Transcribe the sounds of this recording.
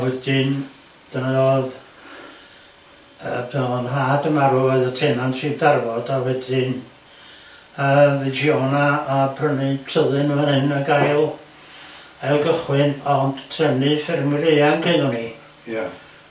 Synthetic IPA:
wɛdɪn | d̥ənaɔːð | ə̰bʰɛlnɦaːdəmaɾuɔɨðətʰeːnansʰiːbdarvɔdawɛdɪn | əðɨd͡ʒjoːnaapʰrənitʰəðɨnəvanhɨnəɡajlˠ | ɛlˠɡəχwɨnɔnd̥tʰrɛnɨfɛrmɪɾejankʰenɔni | ja

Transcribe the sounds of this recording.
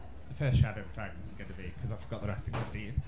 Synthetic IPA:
ðəfɜˑsʃadəʊvətʰãɪ̃m̃zɡə̃ntʰəbikʰʌzaɪv̥fəɡɒʔðəɹɛstɪ̃ŋədid

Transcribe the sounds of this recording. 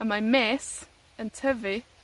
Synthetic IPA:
əmajmɛs | əntʰəvi

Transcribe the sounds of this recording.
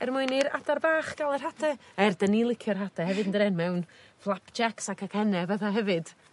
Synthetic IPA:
ɛrmʊɨniɾa̰darbaːχɡ̥alˠɛr̥hatʰɛaɛrdənilˠɪkʰjɔrɦatʰɛhɛvɨdəndəɾɛnmɛwnflˠapʰd͡ʒaksakʰakhɛnɛvɛðaɦɛvɨd̥

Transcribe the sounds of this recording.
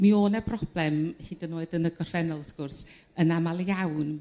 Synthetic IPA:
mioːnɛbʰrɔb̥lˠɛmhiːdənoɨdənəɡɔrv̥ɛnɔlˠɔθɡ̥ʊrs | ənamalˠawn

